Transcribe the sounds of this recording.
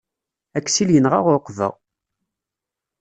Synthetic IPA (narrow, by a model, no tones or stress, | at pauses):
ækːsiljənʁa̰ʁʊɾqːvə̰ʁ